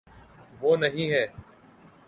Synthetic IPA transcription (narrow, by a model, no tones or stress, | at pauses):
ʋoːnəɦĩːɦɛː